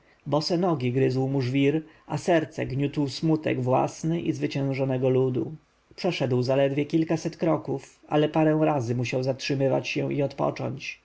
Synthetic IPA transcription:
bɔsɛnɔɡʲiɡɾɘzwmuʐvʲiɾ | asɛɾt̪sɛɡɲut̪wsmut̪ɛ̰ɡvwa̰snɘʔizvɘt͡ɕɛ̃w̃ʐɔnɛɡɔlud̪u | pʂɛʂɛd̪wzalɛd̪vʲjɛkʲilkasɛt̪kɾɔkufa̰lɛpaɾɛ̃w̃ɾazɘmuɕawzatʂɘmɘva̰t͡ɕɕɛ̃iɔt̪pɔ̰t͡ʂɔ̰ɲt͡ɕ

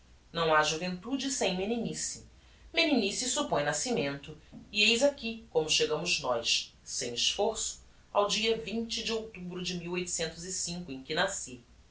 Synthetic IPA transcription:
nɐ̃w̃aʒuvẽnt̪ud͡ʒɪsẽj̃meninisi | meninisɪsupõj̃nasimẽnt̪ʊiejzakʲikõmʊʃeɡɐ̃mʊznɔjʃsẽj̃ɪʃfoɾsʊ̥ | a̰wd͡ʒiɐvĩnt͡ʃɪd͡ʒɪowt̪ubɾʊd͡ʒɪmiwojt̪ʊ̥sẽnt̪ʊzisĩŋkʊẽj̃kɪnasi

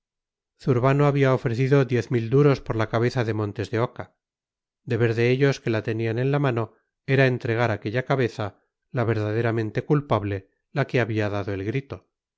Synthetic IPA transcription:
θuɾβanoaβiaofɾe̞θiðo̞ðje̞θmild̪uɾo̞spo̞ɾlakaβe̞θaðe̞mont̪e̞zðe̞o̞ka | d̪e̞βe̞ɾðe̞eʎo̞ske̞lat̪enianẽ̞nlamano̞ | e̞ɾae̞nt̪ɾe̞ɣ̞aɾake̞ʎakaβe̞θa | laβe̞ɾðaðe̞ɾamẽ̞nt̪e̞kulpaβle̞ | lake̞aβiaðaðo̞e̞lɣɾit̪o̞

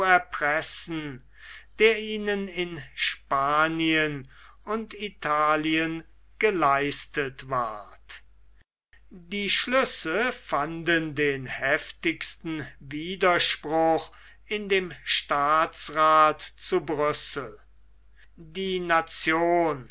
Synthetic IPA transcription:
ɛɐpʁɛsn̩ | d̥eːɐiːnənɪnʃpaːniən | ʊntitʰaːliən | ɡ̥əlaɪstətva̰ɐt | diːʃlʏsəfandəndeːnhɛftɪkstn̩viːdɐʃpʁʊχ | ɪndeːmʃtaːsʁaːtt͡subʁʏsəl̩ | diːnat͡sjoːn

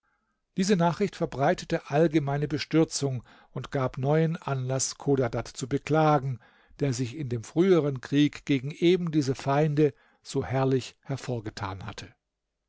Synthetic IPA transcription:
d̥iːzənaːχʁ̥ɪçtfɛɐbʁaɪtə̥təʔalɡəmaɪnəbəʃtʏɐt͡sʊŋ | ʊntɡ̥aːpnɔʏənʔanlaskʰoːdadatt͡subəkl̥aːɡŋ̩ | d̥eːɐzɪçɪndeːmfʁ̥yːəʁənkʁ̥iːkɡ̥eːɡŋ̩ʔeːbm̩diːzəfaɪndə | z̥oːhɛɐlɪçhɛɐfoːɐɡətʰa̰ːnha̰tʰə

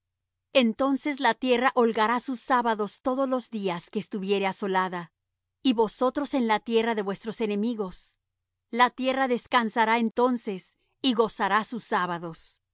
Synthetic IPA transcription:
e̞nt̪o̞nse̞s̬lat̪je̞raʔo̞lɣaɾasusaβaðo̞st̪o̞ðozlo̞zðiaske̞ːst̪uβje̞ɾe̞aso̞laða | iβo̞so̞t̪ɾo̞se̞nlat̪je̞raðe̞βwe̞st̪ɾo̞se̞ne̞miɣo̞s | lat̪je̞raðe̞skansaɾae̞nt̪o̞nse̞s | iɣo̞saɾasusaβaðo̞s

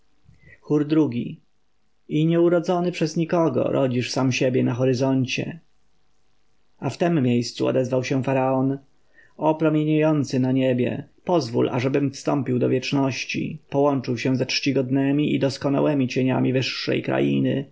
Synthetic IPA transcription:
xuɾd̪ɾuɡʲḭ | iɲɛuɾɔd̪zɔnɘpʂɛzɲikɔɡɔ̰ɾʔɔd͡ʑiʂsamɕebʲjɛnaxɔɾɘzɔɲt͡ɕɛ̰ | aft̪ɛmːejst̪suɔ̰d̪ɛzvawɕɛfaɾaɔn | ɔpɾɔmʲjeɲajɔnt̪sɘnaɲebʲjɛ̰pɔzvṵlʔa̰ʐɛbɘmfst̪ɔmpʲiwd̪ɔvjɛt͡ʂnɔɕt͡ɕḭpɔwɔnt͡ʂɘwɕɛ̃zatʂt͡ɕiɡɔd̪nɛmʲiʔid̪ɔskɔna̰wɛmʲit͡ɕeɲamʲivɘʂːɛ̰jkɾa̰jḭnɘ̰

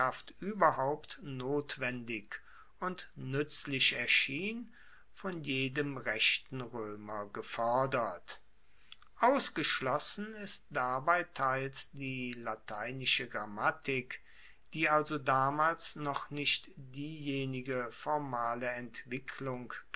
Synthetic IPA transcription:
aftʔyːbɐɦaʊptnoːtv̥ɛndɪk | ʔʊntnʏt͡slɪʃɛɐʃiːn | fɔnjeːdəmʁɛʃtn̩ʁøːmɐɡəfɔɐdɐt | ʔaʊsɡ̥əʃlɔsn̩ɪst̚d̥aːbaɪtʰaɪlsd̥iːlatʰaɪnɪʃəɡʁamatʰɪk | d̥iːalzodaːmaːlsnɔχnɪʃtd̥iːjeːnɪɡəfɔɐmaːləɛntv̥ɪkʰlʊŋ

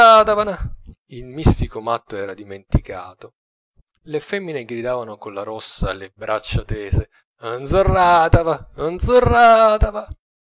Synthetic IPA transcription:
at̪avana | ilmist̪ikomat̪ːoɛːɾad̪iment̪ikaːt̪o | lefɛmːineɡɾid̪aːvanokonlaɾɔsːa̰lebɾʔat͡ʃːat̪ɛːze | and̪zorːaːt̪avaand̪zorːat̪ava

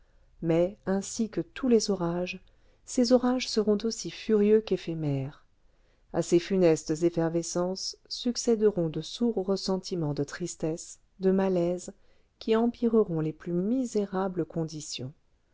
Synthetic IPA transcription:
mɛɛ̃sikət̪ʰulezɔʁaʒ | sezɔʁaʒsəʁɔ̃t̪osifyʁjøkefɛmɛʁ | asefynɛst̪zefɛʁvesɑ̃sːyksɛd̪əʁɔ̃d̪əsuʁːəsɑ̃t̪ʰimɑ̃d̪ət̪χist̪ɛs | d̪əmalɛz | kʲiɑ̃piʁəʁɔ̃leplymizeʁabləkʰɔ̃d̪isjɔ̰̃

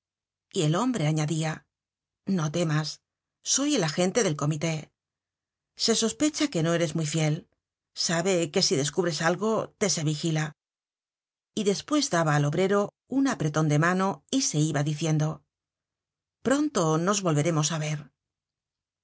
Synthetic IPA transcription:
ie̞lo̞mbɾe̞aɲaðia | no̞t̪e̞masː | o̞je̞laxe̞nt̪e̞ðe̞lko̞mit̪e̞ | se̞so̞spe̞t͡ʃake̞no̞e̞ɾe̞zmijfje̞l | saβe̞ke̞siðe̞skuβɾe̞salɣo̞t̪e̞se̞βixila | iðe̞spwe̞zd̪aβaːlo̞βɾe̞ɾo̞ | unapɾet̪o̞nd̪e̞mano̞ise̞iβaðiθje̞nd̪o̞ | pɾo̞nt̪o̞no̞zβo̞lβe̞ɾe̞mo̞saβe̞ɾ

